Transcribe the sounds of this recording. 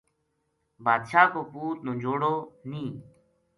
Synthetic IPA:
baːd̪ʃaːkoːpuːt̪̚nõːd͡ʒoːɽoːnĩː

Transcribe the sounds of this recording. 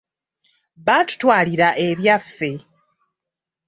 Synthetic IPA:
βatu̥twaːliɾaʔe̞βjafːe̞

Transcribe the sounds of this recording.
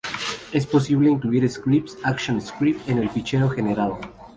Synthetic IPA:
e̞spos̬iβleiŋkluiɾeskɾip̚tsakʃjõneskɾipt̪ẽnelpit͡ʃeɾoxeneɾaðo

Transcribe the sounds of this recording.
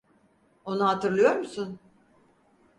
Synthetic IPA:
o̞nuɦat̪ʰɯɾlˠɯjo̞ɾmusun

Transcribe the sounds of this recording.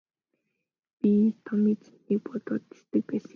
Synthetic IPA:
pit̪ʰɔmiːt͡si̥ | iːk̚pɔt̪ɔːt̪ːi̥st̪ɘ̆k̚pæːs

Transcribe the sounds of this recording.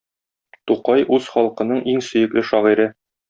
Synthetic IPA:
t̪uqɑjʔʉz̥χɒlˠqɤ̆nɤɴʔiŋsɵ̆jɘ̆klɘʃɒʁiɾɘ

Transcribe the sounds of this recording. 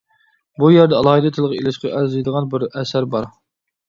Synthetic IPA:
bujæɾd̪ɛɑlˠɑːhɨd̪ɨt̪ʰɨlˠʁɑelɪʃqɑʔæɾzijd̪əʁɑnbɪɾɛsæɾbɑɾ

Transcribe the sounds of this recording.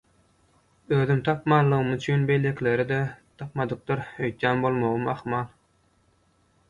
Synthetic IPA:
øːðymt̪ʰɑpmɑːlˠːɯʁɯmyt͡ʃʰynbe̞jlʲe̞kʲʰile̞ɾid̪et̪ʰɑpmɑd̪ɯq̚t̪ɯɾøjt̪jæːnbo̞lˠmo̞ʁɯmɑχmɑːlˠ

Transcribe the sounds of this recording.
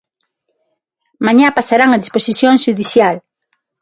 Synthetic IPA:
mãɲapasaɾaŋaðisposisjoŋʃuðisjal

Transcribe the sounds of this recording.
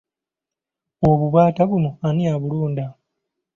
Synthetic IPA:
oβuβaːtaβunoanijaβuluːnda

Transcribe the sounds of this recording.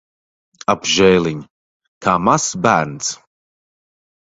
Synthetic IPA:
abʒɛjlˠiɲʲ | kaːmasbæːɾns

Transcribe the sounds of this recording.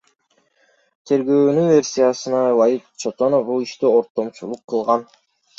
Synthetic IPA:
t̪ʰe̞ɾɡø̞ːnynvʲe̞rʲsʲijasɯnɑvajit̪t͡ʃʰot̪onofbulˠiʃt̪io̞ɾt̪ːo̞mt͡ʃulˠuqʰːɯlˠʁɑn

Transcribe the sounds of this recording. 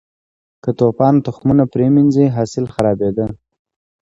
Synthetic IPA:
kət̪opɑnt̪ʊxmunapɾeminziɦɑsɪlxaɾɑbed̪ə

